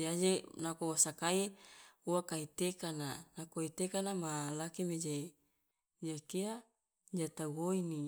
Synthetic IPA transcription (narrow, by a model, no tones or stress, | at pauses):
d͡ʒad͡ʒenakowasakaiuwakait̪ekananakoit̪ekanamalakimed͡ʒa | d͡ʒakia | d͡ʒat̪aɡoini